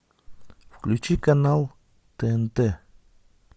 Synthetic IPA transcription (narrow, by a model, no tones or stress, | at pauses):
fklut͡ʃikanal | t̪ent̪e